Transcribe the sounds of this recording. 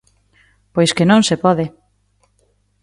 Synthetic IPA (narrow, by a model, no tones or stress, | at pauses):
pojskenõŋsepɔðɪ